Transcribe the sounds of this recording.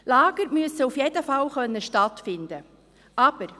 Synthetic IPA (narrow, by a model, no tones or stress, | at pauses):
laːɡ̥əɾmyəsəufjɛdəfɑlχœnːəʃtɑtfɪnd̪ə | ʔɑb̥əɾ